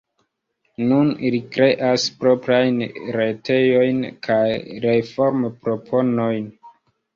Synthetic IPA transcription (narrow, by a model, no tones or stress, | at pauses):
nunlikɾe̞ʔaspɾo̞pɾajnɾete̞jo̞jnkʰajɾefo̞ɾmpɾo̞pʰo̞no̞jn